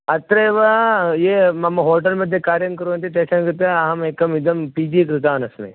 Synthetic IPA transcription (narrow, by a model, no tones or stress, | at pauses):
ɐt̪ɾɐʋɐjeːmɐmɐɦoːʈɐlmɐd̪ʱjɐkaːɾjɐnkɐɾuːɐnt̪iʈ̪eːsɐnkɾɨt̪ɐɐɦɐmeːkɐmid̪ɐmpiːd͡ʒikɾɪt̪aːnɐsmḛ̃